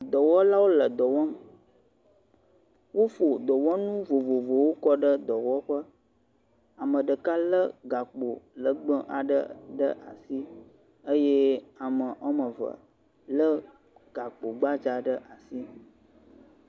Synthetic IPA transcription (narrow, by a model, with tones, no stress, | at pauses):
d̪ɔ˨wɔ˦la˦wo˦lə˨d̪ɔ˨wɔ˦m˨ | wo˦fo˨d̪ɔ˨wɔ˦nũ˦vo˨vo˨vo˨wo˦kɔ˦ɖə˦d̪ɔ˨wɔ˦ɸə˦ | a˨mə̃˨ɖə˨ka˦lə˦ɡa˨k͡po˨lə˨ɡ͡bə˦ʔa˨ɖə̰˦ɖə˦ʔa̰˨si˦ | ə˦jɛ˦a˨mə˨ʔɔ˦mə̃˨və̰˨ | lə˦ | ɡ̥a˨k͡po˨ɡ͡ba˦d͡ʒa˨ɖə˦ʔa˨si˦